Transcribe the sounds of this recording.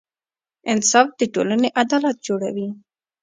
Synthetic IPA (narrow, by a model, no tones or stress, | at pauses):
ɪnsɑfd̪̥əʈo̰laneʔad̪ɑlat̪̚d͡ʒoɽa̰wi